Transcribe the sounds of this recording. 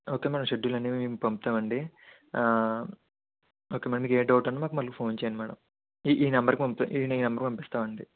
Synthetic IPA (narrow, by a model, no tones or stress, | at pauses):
o̞ːke̞ːmɛːɽɐmʃe̞ɖːulɐnːiːmiːkupɐmpi̥t̪aːʋɐɳɖi | oːkemɛːɽɐmiːkeːɖɐwuʈɐnːamaːkumɐlukupʰo̞ːnt͡ʃeːjɐnimɛːɽɐ̰m | iʔiːnɐmbɐɾkipɐmpit̪a̰ʔiːniːnɐmbɐɾkpɐmpist̪aːʋɐɳɖi